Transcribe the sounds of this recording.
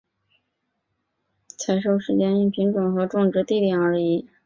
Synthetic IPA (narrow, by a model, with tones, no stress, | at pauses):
t͡sʰa˧˥ɪʂo˥˩ʊʂɻ̩˧˥t͡ɕjɛ˥ni˥˩pʰi˧˥nʈ͡ʂʊ˨˩ŋxɤ˧˥ʈ͡ʂʊ˥˧ŋʈ͡ʂɻ̩˧˥t̪i˥˧ljɛ˨˩ŋə˞˧˥i˧˥˦